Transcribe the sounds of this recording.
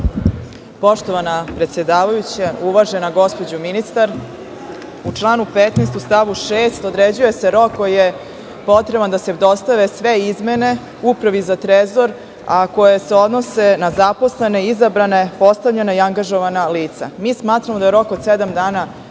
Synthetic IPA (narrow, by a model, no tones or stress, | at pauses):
po̞ʃt̪o̞ʋanapɾet̪sje̞d̪aːʋajut͡ɕauʋaʒe̞naɡo̞spo̞d͡ʑuminist̪aɾ | ut͡ʂlˠaːnupet̪neːst̪ust̪aʋuʃeːst̪o̞d̪ɾed͡ʑuje̞se̞ɾo̞kːojije | po̞t̪ɾe̞band̪ased̪o̞st̪aʋe̞sʋe̞izme̞ne̞ | upɾaʋizat̪ɾezo̞ɾ | ako̞jese̞o̞d̪no̞se̞nazapo̞sle̞ne̞izabɾane̞po̞st̪aʋʎenaiaŋɡaʒoʋanaliːt̪sa̰miːsmaːt̪ɾamod̪ajeɾo̞kod̪sed̪amd̪aːna